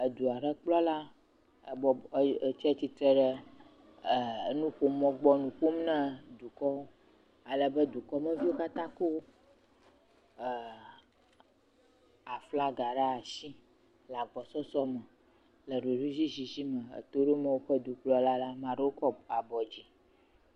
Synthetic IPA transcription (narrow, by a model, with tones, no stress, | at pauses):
ə˨d̪u˨a˨ɖə˦k͡plɔ˦la˦˨ | bɔ˨˦t͡ʃɛ˦t̪i˦t̪ɾɛ˦ɖə˦˨˦ | nũ˦ɸo˦mɔ̃˦ɡ͡bɔ˦nũ˨ku˦m˦nã˦d̪u˨kɔ˦wo˦ | a˨lə˨bə˦d̪u˨kɔ˦mə̃˦vi˦wo˦ka˦t̪ã˦ko˦˨ | a˨fla˦ɡa˨ɖa˦a˨si˦ | la˨ɡ͡bɔ˨sɔ˦sɔ˦mə˨ | lə˨ɖo˨ɖu˦zi˦zi˨zi˦mə˨ḛ˨t̪o˦ɖe˦mɛ̃˦˨wo˦ɸə˦d̪u˨k͡plɔ˦la˦la˦mã˨ɖe˦wo˦kɔ˦a˨bɔ˨d͡ʑi˦